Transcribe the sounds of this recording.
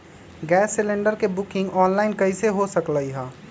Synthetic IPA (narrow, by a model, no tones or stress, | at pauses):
ɡɛːsːɪlẽɳɖəɾkebʊkɪ̃ŋɡɔːnlaɪnkəɪseɦosəkləiɦə̃ː